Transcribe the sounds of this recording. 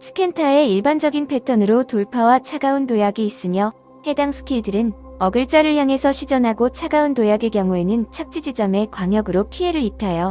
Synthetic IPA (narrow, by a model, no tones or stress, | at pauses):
sʰɯ̥kʰe̞ntʰae̞iɭband͡ʑʌɡinpʰe̞tʰʌnɯɾotoɭpʰawat͡ɕʰaɡaundojaɡiːs͈ɯmjʌ | he̞daŋsʰɯ̥kʰiɭdɯɾɯn | ʌɡɯɭt͡ɕ͈ʌɾɯɭjaŋesʰʌɕʰid͡ʑʌnɦaɡot͡ɕʰaɡaundojaɡekjʌŋue̞nɯnt͡ɕʰak̚t͡ɕ͈id͡ʑid͡ʑʌme̞kwaŋjʌɡɯɾokʰie̞ɾɯɭitʰajo